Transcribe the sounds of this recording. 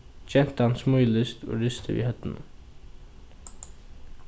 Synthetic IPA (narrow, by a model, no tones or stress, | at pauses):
t͡ʃɛnt̪əhɑnsmʊʏlɪst̪ʰo̰ːɹʏst̪ʰəʋḭːhœt̪ənə